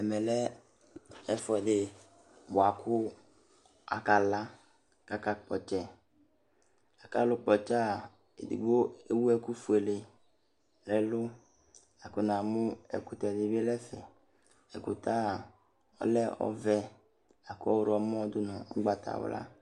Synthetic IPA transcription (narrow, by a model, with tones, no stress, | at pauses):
ɛ˨mɛ˨lɛ˦ | ɛ˦fɔ˨dɪ˨ | bʊ˨a˨kʰʊ˦ | a̰˨ka˨la˦ | ka˦ka˦k͡pɔ˨t͡ʃɛ˨ | a˨ka˦lʊ˦k͡pɔ˨t͡ʃa˦˨ | ḛ˨dḭ˨ɡ͡bo˦e˦wu˦ɛ˦ku˦fu˨e˨le˨ | lɛ˦lʊ˦ | a˨kʊ˦nã˨mʊ˦ɛ̰˨kʊ˨t̪ɛ˨dɪ˨be˦lɛ˦fɛ̰˨ | ɛ˨kʊ˨t̪a˦˨ | ɔ̰˦lɛ˦ɔ̰˦vɛ˦ | a˨kʊ˦ɔ˦wɾɔ˨mɔ̃˦d̪ʊ˦nɔ̃˨ŋ̩˦ɡ͡ba˨t̪ʰa̰˨wo̰˦lʔa̰˦